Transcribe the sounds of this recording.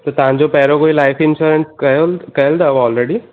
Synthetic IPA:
t̪ot̪ãːɲd͡ʒopɛːɾokoːilaːɪfɪ̃nʃuːɾə̃nskɐkɐɦld̪aʋɔːlɾeɖi

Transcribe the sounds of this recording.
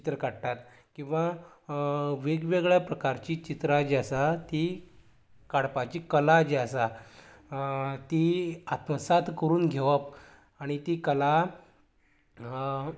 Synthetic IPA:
it̪ɾəkaɽʈ̪at̪ | kĩw̃ʋa | ʋeɡʋeɡɭjapɾəkaɾt͡ɕiːt͡ɕit̪ɾəd͡ʑeasat̪i | kaɽpat͡ɕiːkəlad͡ʑeəsa | t̪iat̪məsat̪kəɾuːnɡʱeʋəp | aɽ̃it̪iːkəla

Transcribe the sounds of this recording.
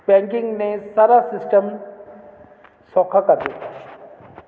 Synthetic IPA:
bɛ̃ːŋkɪ̃ŋɡnesaːɾasɪsʈəm | sɔːkʰakɐɾd̪it̪a

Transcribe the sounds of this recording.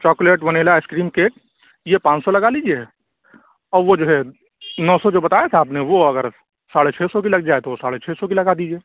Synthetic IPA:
t͡ʃɔːkleːʈʋɐneːlaɪskɾiːmkeːʈ̚ | jepãːt͡ʃsɔlɐɡaliːd͡ʒie | ɔːɾʋod͡ʒoːɦɛ | nɔːsɔd͡ʒoːbɐt̪aːjat̪ʰaaːpneʋoɐɡəɾ | saːɽet͡ʃʰeːsɔk̬ilɐɡ̚d͡ʒaːet̪oʋosaːɽet͡ʃʰɛːsɔk̬ilɐɡad̪iːd͡ʒieː

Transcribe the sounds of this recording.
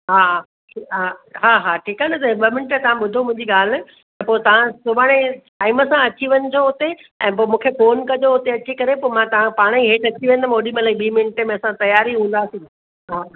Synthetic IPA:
ɦaːɦa | ʈʰiɦaɦaːɦaːʈʰiːkaːnɐt̪ɐɓɐmɪnɪʈət̪ɐʋ̤ãɓʊd̪ʱomʊ̃ɦɪ̃ɲd͡ʑiɠaːl̤ɪ̆ | t̪ɐpoːt̪ɐʋ̤ãsʊbaːɽ̃eʈaːɪməsãɐt͡ɕiʋɐnɪ̆d͡ʑoʊt̪eɛ̃ːpoːmũːkʰefoːnkɐd͡ʑoʊt̪eɐt͡ɕikɐɾepoːmãt̪ɐʋ̤ãpaːɽ̃iɦeːʈɐt͡ɕiʋẽnd̪əmoːɗiməlaiɓiːmɪnəʈəmẽɐsãt̪ɐjaːɾiɦũːnd̪aːsĩː | ɦaː

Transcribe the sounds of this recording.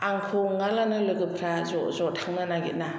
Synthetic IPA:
aŋkʰoŋalanɯlɯɡɯpʰɾazɔzɔtʰaŋnanaɡḭt̚na

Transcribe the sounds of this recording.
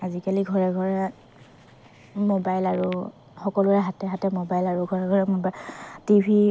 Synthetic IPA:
azikaliɡʱɔɹɛɡʱɔɹɛ | mobajlaɹu | xɔkɔlʊɛɦatɛɦatɛmobajlaɹuɡʱɔɹɛɡʱɔɹɛmobatibʱi

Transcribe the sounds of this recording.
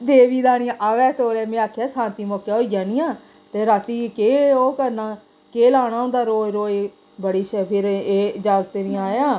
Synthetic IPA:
d̪eːʋiːd̪aːɽ̃ɪjãːʔəʋɛːt̪oːleːmẽːaːkʰːaːsãːnt̪iːmɔːkjaɦoːijãːnijãː | t̪eːɾaːt̪iːkeːoːkəɾnaː | keːlaːɽ̃aːõnd̪aːɾoːɾoːe | bəɽiːʃɛpʰɪɾeːd͡ʒaːlt̪eniːaːjãː

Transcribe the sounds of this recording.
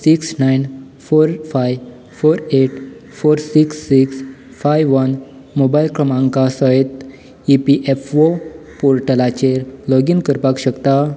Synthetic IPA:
siksnajn | foɾfaj | foɾeʈfoɾsiksːiks | fajʋʋən | mobailkɾəmãŋkasəet̪ | ipiʔefʋopoɾʈəlat͡ɕelɔɡinkəɾpakɕəkt̪a

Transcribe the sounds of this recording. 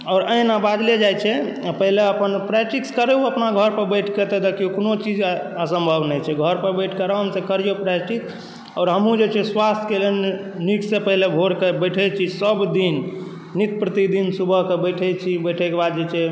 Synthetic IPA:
ɔːɾəinabad̪led͡ʒajt͡ʃʰɛpəɦileəpənpɾɛʈikskəɾeuəpnaɡʱəɾpəɾbəjʈʰket̪ed̪akiukonot͡ʃid͡ʒəsəmbʱəbnət͡ʃʰɛɡʱəɾpəɾbəjʈʰkəɾaɦəmsekəɾijopɾɛʈiks | ɔːɾɦəmũd͡ʒet͡ʃʰɛswast̪ʰkelenniksepəɦilebʱoɾkebəjʈʰɛt͡ʃʰisəbd̪inː | it̪̚pɾət̪id̪insubʱəɦkebəʈʰɛt͡ʃʰibəjʈʰɛkebad̪d͡ʒet͡ʃʰɛ

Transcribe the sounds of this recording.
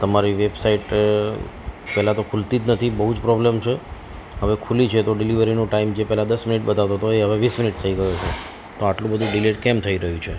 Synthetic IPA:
t̪əmaɾiʋebsaiʈ | pɛɦlat̪okʰult̪it̪nət̪ʰibəɦud͡ʒpɾɔblemt͡ʃʰe | ɦəʋekʰulit͡ʃʰet̪oɖɪliʋəɾinũʈaimd͡ʒepɛɦlad̪əsminiʈ̚bət̪aʋt̪ot̪oeɦəʋeʋisminiʈt̪ʰəiɡəjot͡ʃʰe | t̪oaʈlũbəd̪ʱũɖileʈkemt̪ʰəiɾəɦjũt͡ʃʰe

